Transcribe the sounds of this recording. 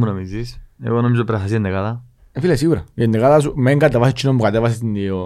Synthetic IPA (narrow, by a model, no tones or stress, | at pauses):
munomizisḛɣonomizopɾɐxɐs̬iend̪ekaðɐ | filesiɣuɾɐ̰jend̪ekaðɐs̬umeŋɡɐt̪evɐsit͡ʃːinombukat̪evɐsest̪inio